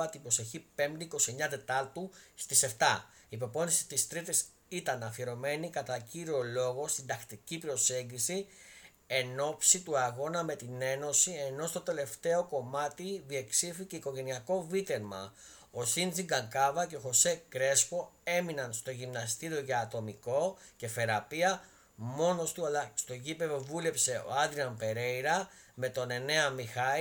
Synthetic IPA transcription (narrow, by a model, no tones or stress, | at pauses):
ɐt̪ipɾose̞çipe̞md̪eiko̞sieɲɐd̪e̞t̪ɐɾt̪ust̪ise̞ft̪ɐiːpo̞po̞nisi̥t̪ist̪ɾit̪is | it̪ɐnɐfieɾo̞me̞nikɐt̪ɐciɾio̞lo̞ɣo̞st̪ind̪ɐkt̪icipɾo̞se̞ɲɟisi | e̞no̞psit̪uɐɣo̞nɐme̞t̪ine̞no̞sie̞no̞st̪o̞t̪e̞le̞ft̪e̞o̞ko̞mɐt̪iðie̞ksificeiko̞ʝe̞niɐko̞vit̪e̞ɾmɐ̰ | o̞sint͡siɡɐŋkɐvɐce̞oxo̞se̞kɾe̞spo̞e̞minɐnst̪o̞ʝimnɐst̪iɾio̞ʝɐːt̪o̞miko̞ce̞θe̞ɾɐpiɐ | mo̞no̞st̪lst̪o̞ʝipevovule̞pse̞o̞̰ɐd̪ɾiɐnpe̞ɾe̞jɾɐ | me̞t̪o̞ne̞ne̞ɐmixɐi